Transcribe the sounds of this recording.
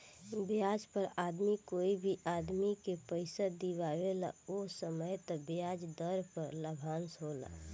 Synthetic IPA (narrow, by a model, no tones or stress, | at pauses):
bjad͡ʒpəɾaːd̪mikoːibʱiʔaːd̪mikepəɪsad̪ibaːwela̰osəməjt̪ɔbjaːd͡ʒd̪əɾpəɾləbʱaːnsɦola̰ː